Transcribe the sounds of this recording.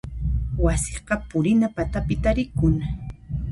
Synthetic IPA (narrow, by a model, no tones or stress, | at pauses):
wasɪɢɑpʊɾɪnapat̪apɪt̪aɾɪkʊŋ